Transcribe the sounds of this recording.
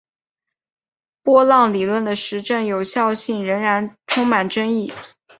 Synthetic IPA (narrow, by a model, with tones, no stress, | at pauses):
pwɔ˥lɑ˥˩ŋli˨˩lwə˥˩nd̪ə˩ʂɻ̩˧˥ʈ͡ʂɤ˥˩ŋjo˨˩ʊɕjɑ˥˧ʊɕi˥˩ŋɻə˧˥ŋɻa˧˥nʈ͡ʂʰʊ˥ŋma˨˩nʈ͡ʂɤ˥ŋi˥˩